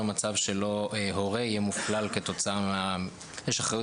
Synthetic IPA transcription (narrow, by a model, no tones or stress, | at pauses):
mat͡savʃe̞lo̞eɦo̞ʁeijemuflalke̞t̪o̞t͡saamea | jeʃaχaju